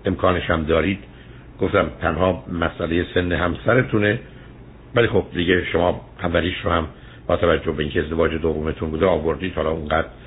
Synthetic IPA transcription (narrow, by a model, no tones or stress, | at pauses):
e̞mkʰɒːneʃæmd̪ɒːɾiːd̪̥ | ɡ̥oft̪æmt̪ʰænhɒːmæsʔæle̞jese̞nːeɦæmsæɾe̞t̪ʰune | vælixob̥̚d̪iɟe̞ʃo̞mɒː | ævːæliːʃɾohæm | b̥ɒːt̪ʰævæd͡ʒːohbeiŋcʰeezd̪e̞vɒːd͡ʒed̪ovːomet̪ʰunbuːd̪eɒːvo̞ɾd̪iːd̪̥hɒːlɒːuŋɡæːd̪̥ɾ